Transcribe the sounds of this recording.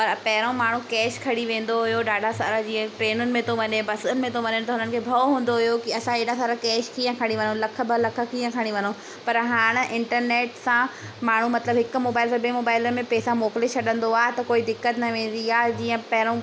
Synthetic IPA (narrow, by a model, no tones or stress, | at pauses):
pɐɾpɐɦɪɾõmaːɳ̤ũkɛːʃkʰɐɽiʋẽːn̆d̪oɦʊjoɗaːɖʱasaːɾad͡ʑiːə̃ʈɾeːnʊnɪ̆mẽt̪ʰoʋɐɲebɐsʊnɪmẽt̪ʰoʋɐɲəɽ̃t̪ɐɦʊnənɪ̆kʰeːbʱɐɦũːn̆d̪oɦʊjokiɐsãeːɽasaːɾakɛːʃkiːə̃kʰɐɽ̃iʋɐnõlɐkʰə̆bɪlɐkʰə̆kiːə̃kʰɐɽ̃iʋɐno | pɐɾɦaːɽ̃̆ʔɪ̃ɳʈəɾneːʈsã | maːɳ̤umɐt̪ləbɦɪkʊ̆moːbaːɪlsãbemoːbaːɪləmẽpɛːsãmoːkɪlet͡ɕʰɐɗə̃nd̪oaːɦet̪ɐkoːid̪ɪkːət̪nɐʋẽːn̆d̪iaːd͡ʑiːə̃pɐɦɪɾõ